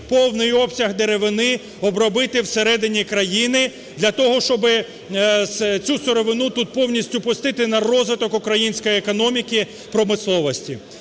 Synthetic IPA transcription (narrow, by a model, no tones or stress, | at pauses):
pɔwnɪjɔpsʲɐɦd̪eɾeʋɪnɪ | ɔbɾɔbɪt̪ɪwseɾɛd̪ɪnʲikɾɐjinɪ | d̪lʲɐt̪ɔɦɔʃt͡ʃɔbɪ | st͡sʲusɔɾɔʋɪnut̪ut̪̚pɔwnʲisʲtʲʊpʊst̪ɪt̪ɪnɐrɔzʋɪt̪ɔkukɾɐjinʲsʲkɔjiekɔnɔmʲikɪ | pɾɔmɪslˠɔʋɔsʲtʲi